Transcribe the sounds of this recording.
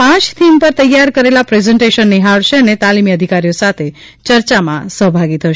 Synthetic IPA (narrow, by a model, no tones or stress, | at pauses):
pãt͡ʃt̪ʰimpəɾt̪əjːaɾkəɾelapɾezɛɳʈeʃənːiɦaɭʃeənet̪alimiəd̪ʱikaɾijosat̪ʰe | t͡ʃəɾt͡ʃamã̰səɦbʱaɡit̪ʰəʃe